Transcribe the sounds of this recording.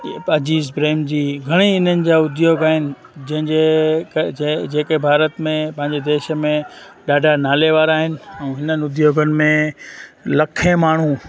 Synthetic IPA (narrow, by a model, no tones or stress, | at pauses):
pɐd͡ʑiːzpɾeːmd͡ʑiːɡʱɐɽ̃iɪn̤ənɪ̆d͡ʑaːʊd̪ʱjoːɡaːɦɪnɪ̆ | d͡ʑɐ̃ɦɪ̃ɲd͡ʑekd͡ʑeːkebʱaːɾət̪mẽpɐ̃ɦɪ̃ɲd͡ʑed̪eːʃəmẽ | ɗaːɖʱanaːleʋaːɾaːɦɪnɪ̆ɛ̃ːɦɪnən̆ʊd̪ʱjoːɡənɪ̆mẽ | lɐkʰẽmaːɳ̤u